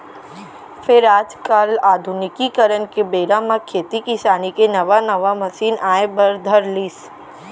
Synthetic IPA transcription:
fɪɾaːd͡ʒkəlaːd̪ʱʊnɪkikəɾənkebeːɾãmãkʰeːt̪ikɪsaːnikenɐʋanɐʋamɐsiːnaːẽbɐɾd̪ʱəɾliːs

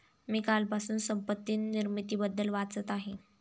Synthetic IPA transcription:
miːkalpasuːnsəmpət̪ːiːnːiɾmit̪iːbəd̪ːəlʋat͡sət̪aɦe

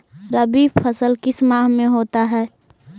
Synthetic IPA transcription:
ɾəbipʰəsəlkɪsmaːɦmẽɦoːt̪aɦɛː

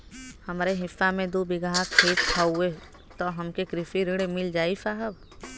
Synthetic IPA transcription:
həmɾeɦɪsːamẽd̪ubɪɡaːɦkʰeːt̪̚tʰaːue | t̪oɦəmkekɾɪfiɾɪɽemɪld͡ʒaːisaɦəb

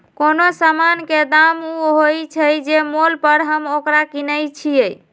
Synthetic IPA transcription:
konosamanked̪amuɦojt͡ʃʰəjd͡ʒemolpəɾɦəmokɾakinəjt͡ʃʰijəj

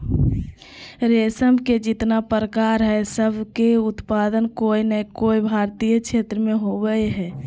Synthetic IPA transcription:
ɾesəmked͡ʒit̪napəɾəkaɾɦɛsəbʱkeut̪pad̪ənkoinəkoibʱaɾt̪ijət͡ʃʰet̪ɾəmeɦobɛjɦɛ

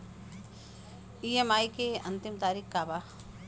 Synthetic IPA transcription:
iːemaːikeɐnt̪ɪmt̪aːɾiːkkaːba

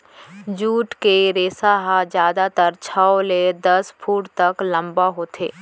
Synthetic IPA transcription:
d͡ʒuːʈkeɾeːsaɦad͡ʒjaːd̪at̪əɾt͡ʃʰəoled̪ɐspʰuːʈt̪ɐklɐ̃mbaɦoːt̪ʰḛː

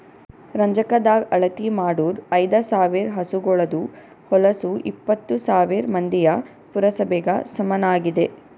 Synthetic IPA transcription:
ɾɐɲd͡ʒɐkɐd̪aːɡɐɭɐt̪imaːɽuːɾɐjd̪ɐsaːʋiɾɦɐsuɡɔɭɐd̪u | hɔlɐsuipːɐt̪ːusaːʋiɾmɐnd̪ijɐ | puɾɐsɐbɛɡɐ̰sɐmɐnaːɡid̪e̞

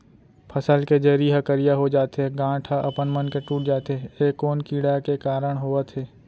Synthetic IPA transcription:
pʰɐsəlked͡ʒeːɾiɦɐkəɾijaɦod͡ʒaːt̪ɦeɡãːʈʰaʔɐpənmənkeʈuːʈ̚d͡ʒaːt̪ɦeeːkːoːnkiːɽakekaːɾəɽ̃ɦoːət̪ɦɛː

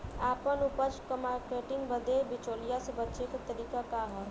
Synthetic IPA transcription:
aːpənupət͡ʃkəmaːɾkeːʈɪ̃ŋɡbəd̪ebɪt͡ʃoːlijasebətːʃekat̪ɐɾiːkakaɦɛ̃

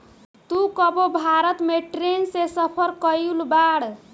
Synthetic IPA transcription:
t̪ukəbobʱaɾət̪meʈɾensesəpʰəɾkəjulbaɽ

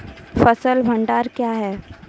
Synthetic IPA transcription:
fəsəlbʱɐ̃ɳɖaːɾkjaɦɛː

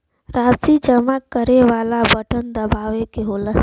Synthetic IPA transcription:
ɾaːsid͡ʒəmakəɾeʋaːlabəʈʰənd̪əbaːʋekeɦolə

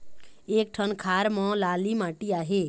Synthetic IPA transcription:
eːk̚ʈʰənkʰaːɾmɔ̃laːlimãːʈiaːɦe

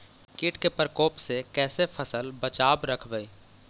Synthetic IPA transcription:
kɪːʈkepəɾkɔːpsekɛːsepʰəsəlbət͡ʃaːbɾəkʰbəiː

